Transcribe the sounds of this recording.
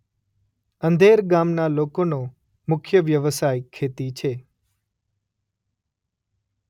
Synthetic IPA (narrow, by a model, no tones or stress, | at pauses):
ənd̪ʱeɾɡamnalokono | mʊkʰjəʋjəʋəsajkʰːet̪it͡ʃʰe